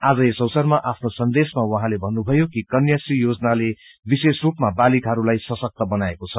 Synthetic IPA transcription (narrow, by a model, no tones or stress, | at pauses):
ad͡zʌesʌwsʌrmaʔapʰnosʌnd̪esmawʌɦãlebʱʌnːubʱʌjokikʌnjasijod͡zʌnale | bisesrupmabalikɦʌɾulajsʌsʌk̚t̪ʌbʌnaekot͡sʰʌ